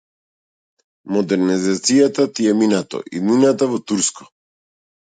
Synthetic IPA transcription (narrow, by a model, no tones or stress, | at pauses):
mɔd̪ɛɾnizat̪sijat̪at̪iɛminat̪ɔ̰ʔḭd̪ninat̪avɔt̪uɾskɔ̥